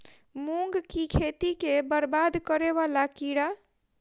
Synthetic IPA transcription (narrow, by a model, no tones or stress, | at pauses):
muŋɡkikʰet̪ikebəɾbad̪kəɾeβalakiɽa